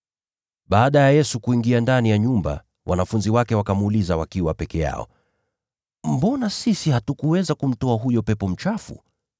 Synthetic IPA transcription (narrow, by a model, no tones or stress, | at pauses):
ɓaːɗajajɛsukuiŋɡiandanijaɲumba̰ | wʔa̰nafunziwakɛwakamuːlizawakiwapɛkɛja̰ɔ̰ | m̩bɔnasisihatukuwɛzakum̩tɔaɦujɔpɛpɔm̩t͡ʃafṵ